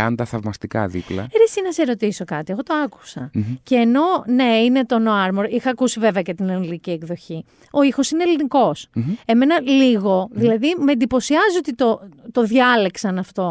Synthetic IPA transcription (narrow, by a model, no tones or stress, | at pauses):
ɐnd̪ɐθɐvmɐst̪ikɐ̰ðḭplɐ̰eɾesinɐseɾo̞t̪iso̞kɐt̪ie̞ɣo̞t̪o̞ɐku̥sɐ̰ceːno̞ne̞ine̞t̪o̞no̞ɐɾmoɾixɐːkusive̞veɐcet̪inelinicie̞kðo̞çi | o̞ixo̞sine̞eliniko̞se̞me̞nɐliɣo̞ðilɐðimend̪ipo̞siɐzio̞t̪it̪o̞t̪o̞ðʝɐleksɐnɐft̪o̞